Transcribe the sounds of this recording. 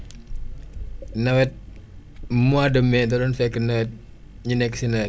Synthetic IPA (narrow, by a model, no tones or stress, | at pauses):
nawɛt̪̚ | muadəmɛt̪ɔɾɔnfɛkənaɛt̪̚ | ɲinɛksinaɛ